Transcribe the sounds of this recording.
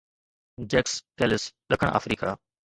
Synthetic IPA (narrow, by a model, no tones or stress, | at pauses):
d͡ʑeːkskeːlɪsɗɐkʰəɽ̃ʔa̰ːfɾiːkaː